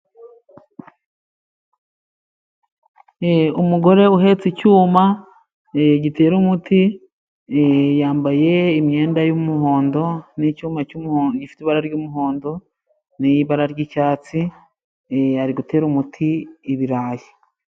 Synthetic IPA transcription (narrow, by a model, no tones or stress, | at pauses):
eumuɡo̞ɾe̞uɦe̞t͡sicuːma | ɟite̞ːɾumuti | jaːmbaje̞imɲe̞ːndajumuɦo̞ːndo̞nicuːmacuɟifi̥tiβaɾaɾɟuːmuɦo̞ːndo̞ | nijiβaɾaɾɟicaːt͡si | aɾiɡutʰe̞ːɾumutʰiːβiɾaːji